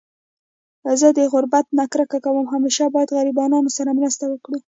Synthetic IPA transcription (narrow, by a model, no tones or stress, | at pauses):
zəd̪əɣʊɾbat̪nɑkɾakakawəmɦameʃɑbɑjad̪ɣaɾibɑnɑnosaɾamɾast̪awəkɽi